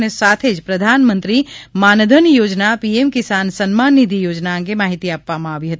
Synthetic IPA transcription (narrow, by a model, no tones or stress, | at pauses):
nesaːt̪ʰeːd͡ʒpɾɐd̪ʱaːnmə̃nt̪ɾimaːnd̪ʱənjoːd͡ʒnapiemkɪsaːnsənmaːnːid̪ʱijoːd͡ʒnaə̃kemaːɦit̪iaːpːamãɐbʱiɦɐt̪